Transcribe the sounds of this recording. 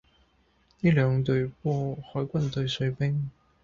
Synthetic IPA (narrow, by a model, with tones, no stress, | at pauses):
ni˥lœ˨˧˥ŋt̪̬ɵ˧ɥpɔ˥˩xɔː˨˥jkʷwɐ˥nt̪ɵ˨˧˩ɥsɵ˨˥ɥpe˥ŋ